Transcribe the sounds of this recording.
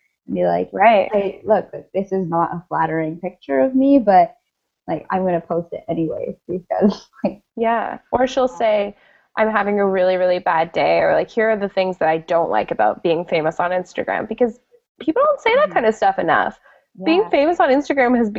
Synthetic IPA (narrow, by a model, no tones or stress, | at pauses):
nbilaɪkɹaɪt̚aɪlʊk̚ðɨk̚ðɪsɨznəɾə̰flæɾə˞ɪ̃ŋpɪk̚t͡ʃə˞ʌvmibʌt̚ | laɪkã̰ɪ̃mɡʌnɨpʰoʊstɨ̰ɾɛniwḛɪwiɡʌ̰zaɪk̚ | jæʔə˞ʃilˠseɪ | ʔã̰ɪ̃mɦævɪ̃ŋɨɹɪlˠiɹɪlˠibædeɪə̰˞laɪkhiɹə˞ðɨθɪ̃ŋzðɨɾaɪdõʊ̃nʔlʔa̰ɪkɨbaʊt̚b̥iɪ̃ŋfẽɪ̃məsn̩ɪ̃nstɨ̰ɡ̥ɹæ̰̃mbɨkʌz | pʰipl̩ˠdõʊ̃ntseɪðət̚kʰãɪ̃ndɨv̥stʌfɨnʌ̰f | j̥iɪ̃ŋfẽɪ̃mɨsn̩ɪ̃nstɨɡɹæ̃mɨzb